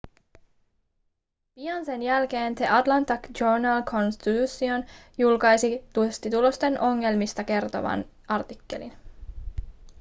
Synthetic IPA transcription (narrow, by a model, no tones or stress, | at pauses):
pijɑnsenjælk̟e̞ːnt̪eʔɑt̪lɑnt̪ːɑkd͡ʒonɑlkʰo̞nst̪it̪usio̞njulkɑjsit̪ust̪it̪ulo̞st̪e̞nʔo̞ŋːe̞lmist̪ɑke̞rt̪o̞̰ʋɑ̰n | ɑrt̪ikːe̞̰lḭn